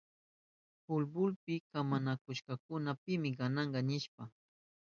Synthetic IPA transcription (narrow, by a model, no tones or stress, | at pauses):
pʊlbʊlpɪkamanakʊʃkɑkʊnapɪmɪɢɑnɑɴɢɑnɪʃpa